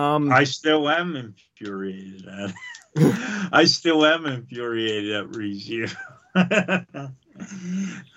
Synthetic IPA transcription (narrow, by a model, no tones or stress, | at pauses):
ʌ̃maɪstɪlˠɨ̃mɨ̃ɱfjʊɹieɪɾɨdɨt̚ | ʔaɪstɪlˠɨ̃mɨ̃ɱfjʊɹieɪɾɨdɨʔɹizʉ